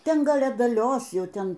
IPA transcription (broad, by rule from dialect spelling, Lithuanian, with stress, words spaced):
ˈtʲɛn ˈɡɐlˠ ɐdɐˈlʲoːs ˈjɛʊ ˈtʲɛn